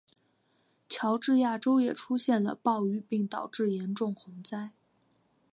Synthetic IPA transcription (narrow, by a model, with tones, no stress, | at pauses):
t͡ɕʰjɑ˧˥ʊʈ͡ʂɻ̩˥˧ja˥˩ʈ͡ʂo˥ʊjɛ̰˨˩ʈ͡ʂʰu˥ɕjɛ˥˩nlə̰˩pɑ˥˧ʊy˥˩pi˥˩ŋt̪ɑ˨˩ʊʈ͡ʂɻ̩˥˩jɛ˧˥nʈ͡ʂʊ˥˩ŋxʊ˧˥ŋt͡sa˥ɪ